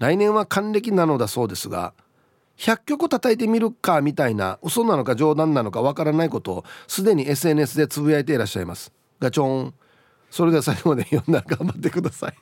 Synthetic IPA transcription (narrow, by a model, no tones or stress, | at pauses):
ɾainẽ̞ɰ̃βakãnɾe̞k̬ʲinano̞d̪aso̞ːd̪e̞sɨɡa̰ | çakʲːo̞kɯt̪at̪ait̪̬e̞mʲiɾɯ̟kamʲit̪aina̰ɯsonano̞kad͡ʑo̞ːd̪ãnːano̞kaβ̞akaɾanaiko̞t̪o̞sɨd̪e̞ɲ̟ie̞s̬ɨe̞nɯe̞s̬ɨd̪e̞t͡sɨbɯ̟aet̪e̞ɾaɕːa̰ima̰sɨ̥ | ɡat͡ɕõ̞ŋ | so̞ɾe̞d̪easakʲiɡod̪ejõnːaɡãmbat̪ːe̞kɯ̟d̪asai